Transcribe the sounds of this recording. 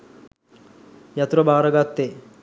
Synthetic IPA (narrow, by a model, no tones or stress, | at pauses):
jɐt̪uɾɐbʱaːɾɐɡat̪ːe